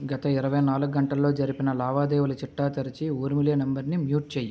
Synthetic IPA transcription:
ɡɐt̪ɐiɾɐʋɐjnaːluɡːɐɳʈɐlːo̞ːd͡ʒɐɾipinɐlaːʋaːd̪ɛːʋulɐt͡ʃiʈːaːt̪ɐɾit͡ʃiuːɾmiljɐːnembɐɾnimjuːʈ̚t͡ʃeːjːu

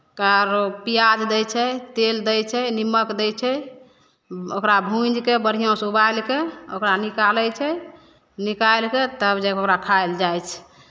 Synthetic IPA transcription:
kaɾopijad͡ʒd̪ɛjt͡ʃʰɛt̪eld̪ɛjt͡ʃʰɛniməkd̪ɛjt͡ʃʰɛ | okɾabʱũd͡ʒkebəɾ̤ijõsubajlkeo̰kɾanikaləjt͡ʃʰɛ | nikajlket̪əbd͡ʒəbokɾakʰajld͡ʒajt͡ʃʰ

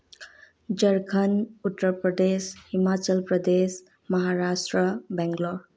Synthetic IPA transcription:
d͡ʒʌɾkʰənut̪ːəpɾəd̪eshimat͡ʃəlpɾʌd̪es | mʌɦaɾasʈɾəbɛŋɡlo

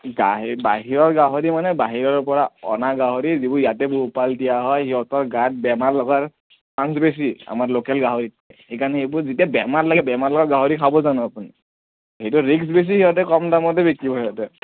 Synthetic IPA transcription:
ɡaɦbaɦiɹɔɹɡaɦoɹimanɛbaɦiɹɔɹpɔɹaɔ̰naɡaɦoɹizibujatɛbupaldijaɦɔjɦiɔtɔɹɡat̚bɛmaɹlɔɡaɹ | pans̬bes̬ia̰maɹlokɛlɡaɦoɹit̚ɛhejkanɛhebuɹzitiabɛmatlaɡɛbɛmaɹlɔɡɔtɡaɦoɹikʰabɔzanɔapuni | hejtuɹiks̬bes̬ihiɔtɛkɔmdamɔtɛbekibɔiɔtɛ

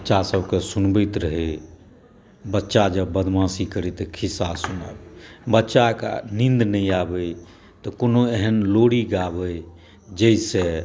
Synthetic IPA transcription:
ətːʃasəbʱkesunbəjt̪ɾəɦe | bətːʃad͡ʒəbːəd̪ʱmãsikəɾɛt̪əkʰisasuna̰bbətːʃaka̰nind̪nəiabəj | t̪ɔkonoeɦənloɽiɡabəj | d͡ʒəisẽ

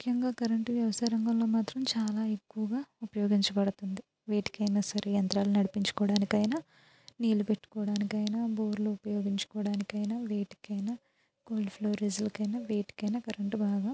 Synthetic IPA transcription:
mukʰjɐŋɡaːkɐɾɐɳʈʋjɐʋɐsaːɾɐŋɡɐmlo̞ːmaːt̪ɾɐmt͡ʃaːlaːe̞kːuʋɐɡaːupɐjo̞ːɡiɲt͡ʃɐbɐɽut̪und̪i | ʋeːʈi̥kɐjnaːsɐɾejɐnt̪ɾaːlunɐɽipiɲt͡ʃu̥kɔːɽaːnikɐjnaː | niːlupe̞ʈːu̥kɔːɽaːnikɐjnaboːɾluupɐjoːɡiɲt͡ʃu̥kɔːɽaːnikɐjnaʋeːʈi̥kɐjna | ɡ̥oːlɖpʰloːɾiːzlɐkɐjnaːʋeːʈi̥kɐjnaːkɐɾɐɳʈubaːɡaː

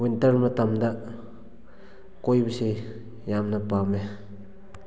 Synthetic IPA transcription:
wintɐɾmɐt̪ɐmd̪a | kojbəse | jamnɐpame

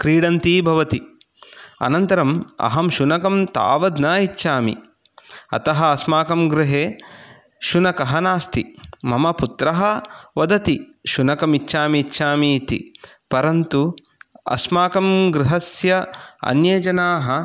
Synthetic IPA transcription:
kɾiːɽɐnt̪iːbʱɐʋɐt̪i | ɐ̰nɐnt̪ɐɾɐmɐ̰ɦɐmʃunɐkɐmt̪a̰ːʋɐd̪nɐitːʃaːmḭ | ɐ̰t̪ɐɦɐ̆ɐsmaːkɐmɡɾɪɦeː | ʃunɐkɐɦɐnaːst̪imɐmɐput̪ɾɐɦɐʋɐd̪ɐt̪iʃunɐkɐmitːʃaːmitːʃaːmiːt̪ḭpɐɾɐnt̪u | ɐ̰smaːkɐmɡɾɪɦɐsjɐɐ̰njeːd͡ʒɐnaːɦɐ

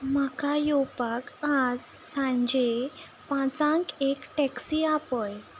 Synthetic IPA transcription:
m̤akajowpakad͡zsãɳd͡ʑe | pãt͡sãŋkekʈɛksiapəj

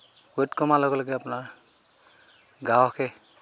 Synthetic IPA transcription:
ɡotkɔmalɔɡɔlɔɡɛapʊnaɹ | ɡawkʰɛ

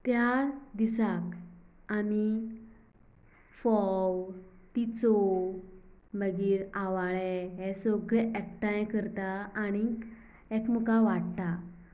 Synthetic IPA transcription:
t̪jaɾd̪isak | ami | fɔwt̪it͡sɔ | ləɡiːɾaʋaɭɛɦɛsɔɡɭɛʔɛkʈãjkəɾt̪aːɽ̃i | ɛkmukaʋaɽt̪a

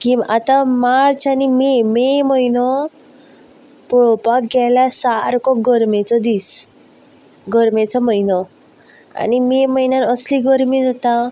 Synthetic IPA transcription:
kimat̪ãmaɾt͡ɕanimememəjnɔ | pɭɔpakɡɛlasaɾkɔɡəɾmet͡sɔd̪is | ɡəɾmet͡sɔməjnɔ | a̰nimeməjnanəsliɡəɾmid͡zat̪a

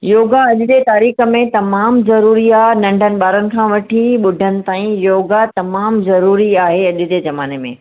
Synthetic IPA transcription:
joːɡaɐʄʊd̪et̪aːɾiːxə̆mẽt̪ɐmaːmzɐɾuːɾiaːɦnɐ̃ɳɖʱənɪ̆ɓaːɾənɪ̆kʰãːʋɐʈʰiɓʊɖʱənɪ̆t̪aːĩjoːɡat̪ɐmaːmzɐɾuːɾiaːɦeɐʄɪ̆t̪ezɐmaːnemḛ̃ː

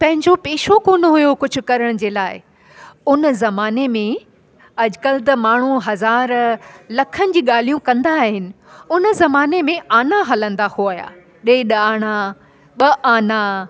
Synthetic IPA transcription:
pɐ̃ɦɪ̃ɲd͡ʑopeːʃokoːnoɦʊjokʊd͡ʑʱʊ̆kɐɾəɽ̃d͡ʑeːlaːɪ | ʊnzɐmaːnemẽ | ɐʄʊkəlt̪̬ɐmaːɳ̤ũɦɐzaːɾlɐkʰənɪ̆d͡ʑiːɠaːl̤ijũkɐ̃nd̪aːɦɪnɪ̆ | ʊnəzɐmaːnemẽaːnaɦɐlə̃nd̪ahuaːja̰ː | ɗeːɗaːɽ̃a | ɓɐʔaːna

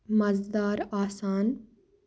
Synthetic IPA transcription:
mɐzd̪aːɾaːsaːn

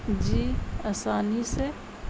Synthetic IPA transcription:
d͡ʒiːɐsaːnise

